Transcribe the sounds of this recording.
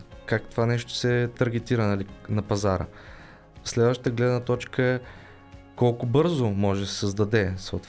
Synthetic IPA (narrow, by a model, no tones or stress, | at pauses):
kak̚t̪ovanɛʃt̪o̥sɛt̪ɐɾɡ̟ɛt̪iɾənɐlinɐpɐzaɾə̰ | fslɛd̪vɐʃt̪ət̪əɡlɛd̪nət̪ɔt͡ʃkəɛ | kɔlˠkʊbɤɾzʊmɔʒɛsɛ̥səzd̪ɐd̪ɛsot̪